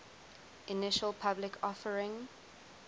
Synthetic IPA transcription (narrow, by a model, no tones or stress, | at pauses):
ʔinɪʃəlˠpʰablɪkʰɔfəɹɪ̃ŋ